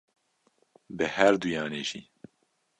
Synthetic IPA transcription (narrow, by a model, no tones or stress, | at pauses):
bɨhɛɾd̪ujaːneːʒiː